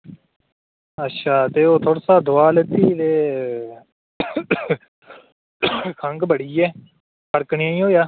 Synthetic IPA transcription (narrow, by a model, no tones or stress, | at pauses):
ətːʃʰaːt̪eːoːt̪ʰoːɽsaːd̪ʊaːlet̪iːd̪eː | kʰəŋɡbəɽiːɛː | pʰəɾkɳɪ̃ãːĩːɦoːjaː